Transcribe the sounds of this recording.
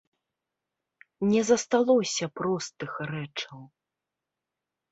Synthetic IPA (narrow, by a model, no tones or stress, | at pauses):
nʲɛzɐst̪alˠɔsʲɐpɾɔst̪ɨxrɛt͡ʂɐw